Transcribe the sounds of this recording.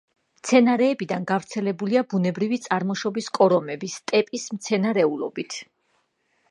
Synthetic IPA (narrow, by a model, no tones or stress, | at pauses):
mt̪sʰɛnaɾɛːbid̪anɡavɾt̪sʰɛlɛbuliabunɛbɾivit̪sʼaɾmɔʃɔbiskʼɔɾɔmɛbist̪ʼɛpʼismt̪sʰɛnaɾɛulɔ̰bit̪ʰ